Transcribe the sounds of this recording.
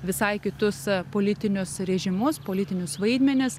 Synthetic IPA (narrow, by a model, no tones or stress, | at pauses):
ʋʲɪsɐɪkʲɪt̪ʊspoːlʲɪt̪ʲɪnʲʊsɾʲɛʒʲɪmʊspoːlʲɪt̪ʲɪnʲʊsʋɐɪd̪ʲmʲɛnʲɪs